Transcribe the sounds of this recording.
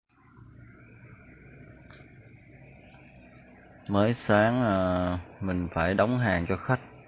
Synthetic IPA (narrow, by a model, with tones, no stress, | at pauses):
məː˨˦jsaː˨˦ŋə˨˩mï˨˩ŋ̟faː˧˩jɗə˨˦wŋ͡mɦaː˨˩ŋt͡ɕɔ˧xa˦˥jk̚